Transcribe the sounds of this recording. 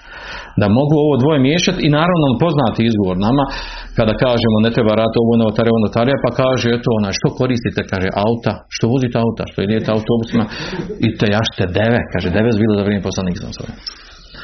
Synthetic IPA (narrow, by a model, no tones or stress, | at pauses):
d̪amo̞ɡuo̞ʋo̞ːd̪ʋo̞jemjeːʃat̪inaːɾaʋnopo̞znaːt̪iizɡo̞ʋo̞ːɾnama | kad̪aːkaːʒemone̞t̪ɾebaɾaːd̪it̪oʋoneʋot̪aɾeonot̪aːɾijapakaːʒee̞t̪oonaːjʃt̪o̞ko̞ɾiːst̪it̪ekaːʒeʔaut̪aʃt̪o̞ʋozit̪eaut̪a̰ʃt̪oid̪ijet̪eaut̪o̞ːbusimait̪ejaʃt̪ed̪eʋekaːʒed̪eʋesbiːlˠozaʋɾʲeːmepo̞slaniːksa̰so̰je